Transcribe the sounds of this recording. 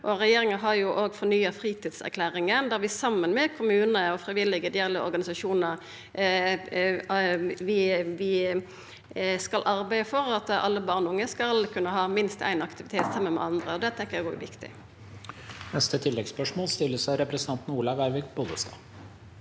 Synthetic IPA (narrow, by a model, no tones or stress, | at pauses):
ʔɔʁɛjeːɾɪŋəɦɑʁjʊʔoːɡfɔnyːəfɾiːt̪iːd̪sæ̰ʁkʰlæːʁɪŋənd̪æʁʋɪsɑmːənmɛkʰʊmʉːnəɔfɾɪʋɪlːɪɡəd̪ɪɛlːəɔ̰ɾɡɑnɪsɑʃuːnəʁ | ʋɪʋɪ | skɑlʔɑɾbæɪəfɔɾɑt̪ɑ̰lːəbɑːʁnʊŋːəskɑlkʰʉnːəɦɑːmɪnst̪æ̰ɪnɑkt̪ɪʋɪt̪ʰeːt̪sɑmːənmɛ̰ɑnd̪ʁəɔd̪ɛt̪ʰɛŋkːəjæɡoːɡʋɪkt̪ɪ̰ | nɛst̪ət̪ʰɪlːɛɡspœʂmoːlst̪ɪlːəsæɪɾɛpɾɛsnʰɑnt̪n̩uːlɑʋæɪɾʋɪkbʊd̪əst̪ɑ̰ː